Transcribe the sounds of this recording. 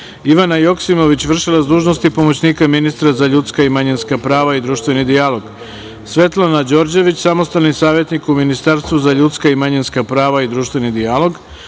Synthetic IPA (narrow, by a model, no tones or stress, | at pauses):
iʋanajo̞ksimo̞ʋit͡ɕʋr̩ʃilazd̪uːʒnost̪ipo̞mo̞t͡ɕniːkaminist̪ɾazaʎut̪skaimaɲinskapɾaːʋaid̪ɾuːʃt̪ʋe̞nid̪ijalo̞ɡ̥ | sʋe̞t̪lˠanad͡ʑo̞ːɾd͡ʑe̞ʋit͡ɕsamost̪alnisaːʋje̞t̪nikuminist̪aɾst̪ʋuzaʎut̪skaimaɲinskapɾaːʋaid̪ɾuːʃt̪ʋe̞nid̪ialˠo̞ɡ